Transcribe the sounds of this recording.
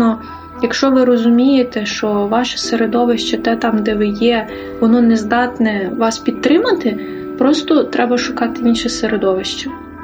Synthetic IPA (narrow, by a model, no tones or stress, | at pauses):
ɔ | jɐkʃt͡ʃɔʋɪɾɔzʊmʲijet̪ɛʃt͡ʃɔʋɑʃɐ̥seɾed̪ɔʋɪʃt͡ʃɐt̪ɛt̪ɑmd̪ɛʋɪjɛ | ʋɔnɔnezd̪ɑt̪nɛʋɑspʲid̪̚t̪ːɾɪmɐt̪ɪ | pɾɔst̪ɔt̪ɾɛbɐʃʊkɑt̪ɪinʃɛseɾed̪ɔʋɪʃt͡ʃɐ